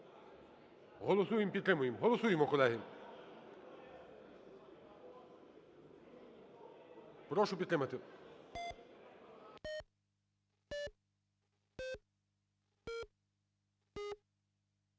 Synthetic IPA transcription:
ɦɔlˠɔsujɪmpʲid̪t̪ɾɪmʊjɪmɦɔlˠɔsujɪmɔkɔlˠɛɦɪm | pɾɔʃʊpʲit̪t̪ɾɪmɐt̪ɪ

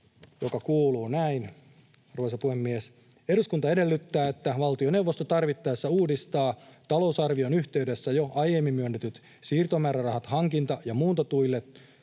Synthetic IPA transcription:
jokɑkuːluːnæin | ruosɑpuhemːies | eɾuskunt̪ɑede̞lːyt̪ːæːet̪ːæʋɑlt̪ione̞wʋːost̪ot̪ɑrʋit̪ːɑesːæuːdist̪ɑːt̪ɑlo̞usɑrʋionyçt̪e̞yde̞sːæjoʔɑjemːimmyønːet̪yt̪ | siːrt̪omæːrærɑhɑt̪hɑŋkint̪ɑjɑmuːnt̪ɑt̪uilːet̪

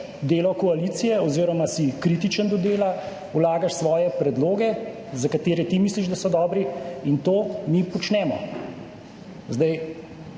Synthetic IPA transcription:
d̪eːlɔkɔaliːt̪sijɛɔziːɾɔmasikɾiːt̪it͡ʃənd̪ɔd̪eːla | ulaːɡaʃsʋɔːjɛpɾɛd̪loːɡɛ | zakat̪eːɾɛt̪imiːsliʒd̪asɔd̪ɔːbɾiint̪oːmipɔt͡ʃnɛːmɔ̰ | zd̪aj

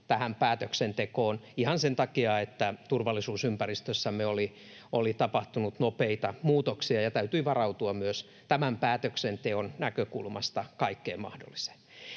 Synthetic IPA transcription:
t̪æhæmpæːt̪øksent̪ekoːnihɑnsent̪ɑkiɑet̪ːæt̪urʋɑlːˑisuːsympærist̪øsːæmeoli | olit̪ɑpɑht̪unut̪nopeit̪ɑmuːt̪oksiɑjɑt̪æyt̪yiʋɑrɑut̪uɑmmyøs | t̪æmæmpæːt̪øksent̪eonnækøkṵlmɑst̪ɑkɑikːḛːmɑ̰hdo̰lːise̥

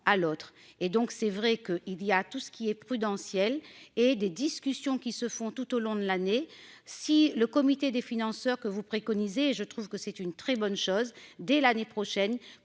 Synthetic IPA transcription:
alot̪χed̪ɔ̃ksɛvʁɛkəʔilijat̪usə̥kʲiɛpχyd̪ɑ̃sjɛled̪ed̪iskʲysjɔ̃kʲisəfɔ̃t̪ut̪olɔ̃d̪əlane | siləkɔmit̪ed̪efinɑ̃sœʁkəvupχekɔnizeʒət̪χuv̥kəsɛt̪ynt̪χɛbɔnʃozd̪ɛlanepχɔʃɛn

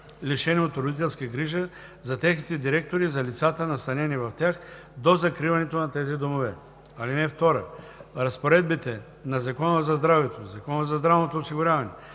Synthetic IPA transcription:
liʃɛniot̪ɾod̪it̪ɛlˠskəɡɾiʒə | zɐt̪ɛxnit̪ɛd̪iɾɛk̚t̪oɾizɐlit̪sat̪ənɐst̪ɐnɛnivɐft̪ʲjax | d̪ozɐkɾivɐnɛt̪onɐt̪ɛzid̪omovɛ | ɐlinɛft̪ɔɾə̰ | ɾɐspoɾɛd̪̚bit̪ɛ | nɐzɐkɔnəzɐzd̪ɾavɛt̪ozɐkɔnəzɐzd̪ɾavnot̪oːsiɡʊɾʲjavɐnɛ

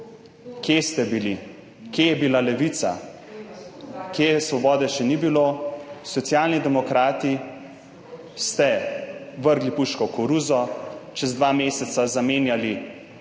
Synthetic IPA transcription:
kjest̪ɛbili | kjejɛbilalɛʋit̪sa̰ | kjesʋɔbɔːd̪ɛʃɛnibiloːsɔt̪sjaːlnid̪ɛmɔkɾaːt̪i | st̪ɛ | ʋəɾɡlipuʃkɔkɔɾuzɔt͡ʃɛzd̪ʋaːmeːsɛt̪sazameːnjali

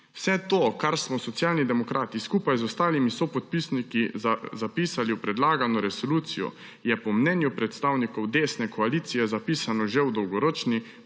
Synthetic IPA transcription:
w̥sɛt̪oːkaɾsmɔsɔt̪sjaːlnid̪ɛmɔkɾʔaːt̪iskuːpajzɔst̪aːlimisɔpɔt̪̚pisnikiazapiːsaliwpɾɛd̪laːɡanɔɾɛsoluːt̪sijɔ̰ | jɛpɔmnɛnjupɾɛt̪st̪aːwnikɔwd̪eːsnɛkɔaliːt̪sijɛzapiːsanɔʒɛwd̪ɔwɡɔɾoːt͡ʃni

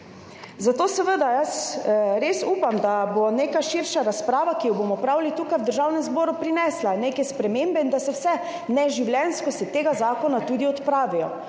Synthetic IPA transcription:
zat̪oːsɛʋəd̪ajəsɾesuːpamd̪aboneːkaʃiɾʃaɾaspɾaːʋakijɔboːmɔpɾaːwlit̪uːkajwd̪əɾʒaːwnɛmzboːɾupɾinɛslaneːkɛspɾɛmembɛind̪asɛwsɛ | nɛʒiwljɛnskɔsit̪eːɡazaːkɔnat̪uːd̪iɔt̪pɾaːʋijɔ̰

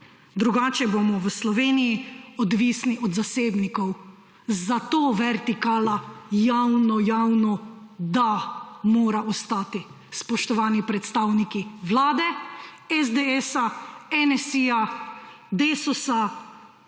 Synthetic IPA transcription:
d̪ɾuɡaːt͡ʃɛbomɔwəslɔʋeːnijiɔd̪ʋiːsniʔɔd̪zaseːbnikɔw | zat̪oːʋɛɾt̪ikaːlajawnɔjawnɔ | d̪amoːɾaʔɔst̪aːt̪i | spɔʃt̪ɔʋaːnipɾɛt̪st̪aːwnikiʋlaːd̪ɛɛzd̪eɛsaɛnɛsija | d̪eːsusa

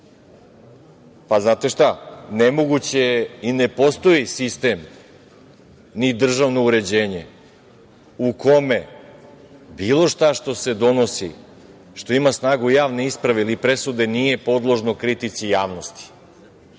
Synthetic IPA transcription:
paznaːt̪e̞ʃt̪anemo̞ɡut͡ɕejine̞po̞st̪o̞isist̪e̞m | nid̪r̩ʒaʋno̞uɾe̞d͡ʑeːɲe̞ | uko̞me̞ | biːlˠo̞ʃt̪aʃt̪o̞se̞d̪o̞nosḭ | ʃt̪o̞imasnaːɡujaːʋne̞ispɾaʋeilipɾe̞sud̪e̞nije̞po̞d̪lˠo̞ʒno̞kɾit̪it̪sijaːʋnost̪i̥

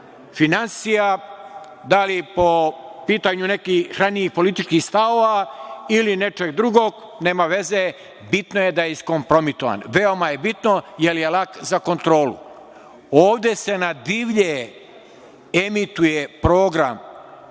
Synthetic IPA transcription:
finansija | d̪alipo̞piːt̪aɲune̞kixxɾaniixpo̞lit̪it͡ʃkixst̪aoʋailine̞t͡ʃeɡ̚d̪ɾuɡoɡ | ne̞ːmaʋe̞ze | bit̪noje̞d̪ajeisko̞mpɾo̞mit̪oʋa̰nʋe̞o̞maje̞bit̪no̞jeljelakzako̞nt̪ɾo̞ːlṵ | oːʋd̪e̞se̞nad̪iʋʎe | emit̪ujepɾo̞ːɡɾa̰m

